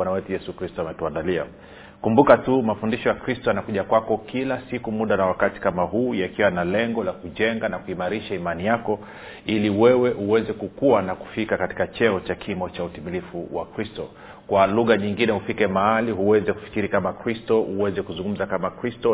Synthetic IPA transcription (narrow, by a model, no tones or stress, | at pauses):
anawɛtujɛsukɾistɔamɛtuandalia̰ | kumbukatumafundiʃɔjakɾistɔjanakuʄakwakɔkilasikumuɗanawakati̥kamaɦuːjakiwanalɛŋɡɔlakuʄɛŋɡanakuimaɾiʃaimanijakɔ | iliwɛwɛʔuwɛzɛkukuwanaku̥fikakati̥kat͡ʃɛɔt͡ʃakʰimɔt͡ʃautimilifuwa̰kɾistɔ | kwaluɣaɲiŋɡinɛhufikɛmaaliɦuwɛzɛku̥fi̥kiɾikamakɾistɔʔuwɛzɛkuzuŋɡum̩zakamakɾistɔ